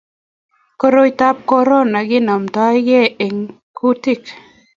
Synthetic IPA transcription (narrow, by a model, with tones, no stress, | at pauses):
ko˦ɾo˦jt̪a˦p̚kɔ˦ɾɔ˦na˨ɡɪ˦na˨mt̪ɔ˦jɡe˦e˨ŋ | kʰu˦t̪i˦˨k